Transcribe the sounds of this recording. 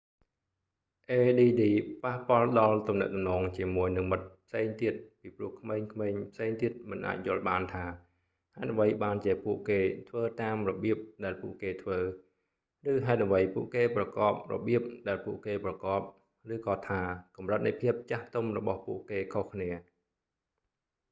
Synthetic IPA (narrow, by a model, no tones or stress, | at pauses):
ʔeːɗiːɗiːpahpŏəlɗɑlt̪umnɛ̰ʔ̚t̪umnɔːŋt͡ɕiəmuəjnɨŋmɨt̪̚pʰseːŋt̪iət̪̚piːprŭəhkʰmeːŋkʰmeːɲpʰseːŋt̪iət̪̚mɨnʔa̰ːc̚jʊ̆əlɓaːnt̪ʰaː | haɛt̪ʔəʋəjɓaːnt͡ɕiəpuəʔkeːt̪ʰʋəːt̪aːmrɔɓiəp̚ɗaɛlpuəʔkeːt̪ʰʋəː | rɨːɦaɛt̪̚ʔəʋəjpuəʔkeːprɑkɑːp̚rɔ̰ɓiəp̚ɗaɛlpuəʔkeːprɑkɑːp̚ | rɨːkɑːt̪ʰaːkɑmrət̪̚nɨjpʰiəp̚t͡ɕaht̪omrɔɓɑhpuəʔkeːkʰohkʰniə